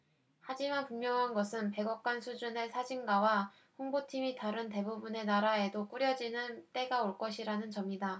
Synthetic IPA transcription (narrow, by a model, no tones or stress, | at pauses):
had͡ʑimanpuŋjʌŋɦanɡʌsʰɯnpe̞ɡʌk̚k͈wansʰud͡ʑunesʰad͡ʑinɡawa | ɸoŋbotʰimitaɾɯnte̞bubune̞naɾae̞dok͈uɾjʌd͡ʑinɯnt͈e̞ɡaoɭk͈ʌɕʰiɾanɯnt͡ɕʌmɲida